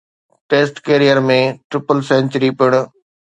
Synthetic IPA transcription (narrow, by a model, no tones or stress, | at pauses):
ʈeːsʈkeːɾijəɾmẽʈɾɪpəlsɛ̃ːnt͡ɕəɾipɪɽ̃ʊ̆